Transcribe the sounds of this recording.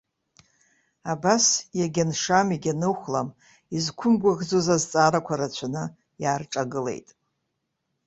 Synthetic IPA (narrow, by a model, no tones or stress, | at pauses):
abasjaɡʲanʂamiɡʲanɨχʷlam | izkʷʰʊmɡʷaʁd͡zozazt͡sʼaːɾakʷʰaɾat͡ɕʷʰanɨ | jaːrʈ͡ʂʼaɡɨle̞̰jtʼ